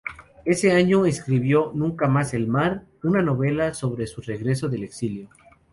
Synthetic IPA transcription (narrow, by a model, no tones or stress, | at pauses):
e̞se̞aɲo̞eskɾiβ̞jo̞nũŋkamase̞lmaɾ | unano̞βe̞laso̞βɾe̞sure̞ɣɾe̞s̬o̞ðe̞le̞ksiljo̞